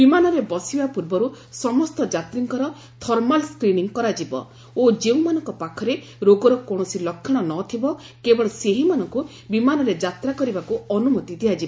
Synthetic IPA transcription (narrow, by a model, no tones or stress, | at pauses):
bimanɔɾebɔsibapuɾbɔɾu | sɔmɔst̪ɔd͡ʒat̪ɾiŋkɔɾɔ | t̪ʰɔɾmalskɾiniŋkɔɾad͡ʒibɔ̰ | od͡ʒeũmanɔŋkɔpakʰɔɾe | ɾoɡɔɾɔkoɽ̃ɔsilɔkʰːɔɽ̃ɔnɔt̪ʰibɔ | kebɔɭɔseɦimanɔŋku | bimanɔɾed͡ʒat̪ɾakɔɾibakuɔnumɔt̪id̪ʱiad͡ʒibɔ